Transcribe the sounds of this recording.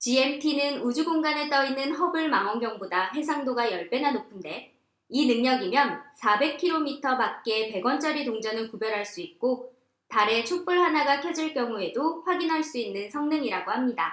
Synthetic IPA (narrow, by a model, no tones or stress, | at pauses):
t͡ɕie̞mtʰinɯnud͡ʑuɡoŋɡane̞t͈ʌinɯnɦʌbɯɭmaŋʌnɡjʌŋbodaɸe̞s̬ʰaŋdoɡajʌɭp͈e̞nanopʰɯnde̞ | inɯŋɲʌɡimjʌnsʰabe̞kʰiɾomitʰʌbak̚k͈e̞pe̞ɡwʌnt͡ɕ͈ʰʌɾitoŋd͡ʑʌnɯɭkubjʌɾɦaɭs͈uit̚k͈o | taɾe̞t͡ɕʰok̚p͈ɯɭhanaɡakʰjʌd͡ʑiɭk͈jʌŋue̞doɸwaɡinɦaɭs͈uinːɯnsʰʌŋnɯŋiɾaɡohamɲida